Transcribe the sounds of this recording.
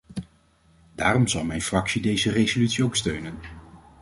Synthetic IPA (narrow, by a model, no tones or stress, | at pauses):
daːɾɔmzɑlˠmɛjnfrɑksidejzərejzolytsiowkstøɥnən